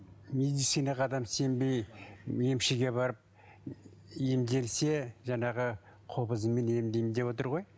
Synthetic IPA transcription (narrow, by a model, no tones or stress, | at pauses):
med̪it̪sijnɑqɑd̪ɑmse̞mbe̞jje̞mʃeɡʲe̞bɑɾəp̚ | e̞md̪e̞lse̞ʒɑɴɑʁə | qʰo̞pəzəmːe̞ne̞md̪e̞jmd̪e̞βwo̞t̪əɾʁo̞j